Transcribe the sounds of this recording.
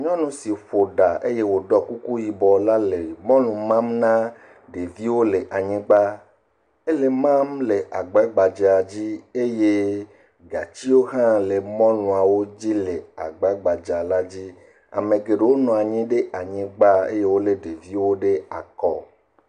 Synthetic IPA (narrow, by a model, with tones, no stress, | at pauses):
ɲɔ̃˦nũ˨˦si˨ɸo˨ɖa˨e˦je˦wo˨ɖɔ˦ku˦ku˦ji˨bɔ˨la˦le˨mɔ̃˦lũ˨mã˦mnã˦ | ɖe˨vi˦wo˦le˨ʔa˨ɲĩ˦ɡ͡ba˦ | e˦le˨mã˦mle˨ʔa˨ɡ͡ba˨˦ɡ͡ba˨d͡ʒe˨a˨d͡ʑi˦e˦je˦ | ɡa˨t͡ɕi˦wo˦ɦã˦le˨mɔ̃˦lũ˨a˨wo˦d͡ʑi˦le˨a˨ɡ͡ba˨˦ɡ͡ba˨d͡ʒa˨la˦d͡ʑi˦ | a̰˨mẽ˨ɡe˨ɖe˨wo˦nɔ̃˨a˨ɲĩ˦ɖe˦ʔa˨ɲĩ˦ɡ͡ba˦ḛ˦je˦wo˦le˨ɖe˨vi˦wo˦ɖe˦a̰˨kɔ̰˦